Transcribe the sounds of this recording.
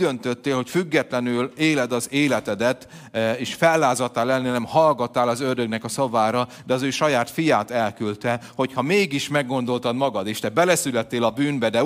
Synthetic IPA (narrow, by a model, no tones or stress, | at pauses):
d̪ønt̪øt̪ːeːlho̞cfyɡːɛt̪lɛnyleːlɛd̪ɒzeːlɛt̪ɛd̪ɛt̪ | eːʃfɛlːaːzɒt̪ːaːlɛnːɛnɛmhɒlɡɒt̪ːaːlɒzørd̪øɡnɛkɒsɒvaːɾɒ | d̪ɛɒzøːʃɒjaːt̪fijaːt̪ɛlkylt̪ɛho̞chɒmeːɡiʃmɛɡːo̞n̪d̪o̞lt̪ɒd̪mɒɡɒd̪eːʃt̪ɛbɛlɛsylɛt̪ːeːlɒbyːnbɛd̪ɛ